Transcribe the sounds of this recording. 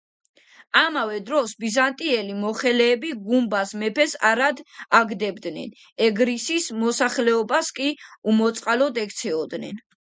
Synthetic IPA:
amavɛd̪ɾɔsbizant̪ʼiɛlimɔχɛlɛːbiɡumbasmɛpʰɛsa̰ɾad̪aɡd̪ɛbd̪nɛ̰n | ɛɡɾisismɔsaχlɛɔbaskʼiumɔt̪sʼqʼalɔd̪ɛk̚ʰt̪sʰɛɔd̪nɛ̰n

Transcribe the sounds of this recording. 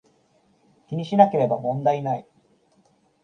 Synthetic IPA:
kʲiɲ̟iɕinake̞ɾe̞bamõ̞nd̪ainai

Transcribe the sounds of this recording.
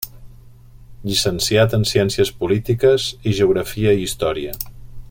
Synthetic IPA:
ʎisənsiat̪ənsiɛnsiəspulit̪ikəziʒəuɣɾəfiəiist̪ɔɾiə

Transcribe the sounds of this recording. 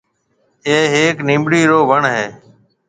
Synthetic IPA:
eːɦeːknĩːmɽiːɾoːʋʱəɳɦeː

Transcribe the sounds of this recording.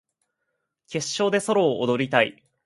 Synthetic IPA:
kʲe̞ɕːo̞ːd̪e̞so̞ɾo̞ːʔːd̪o̞ɾʲit̪ai

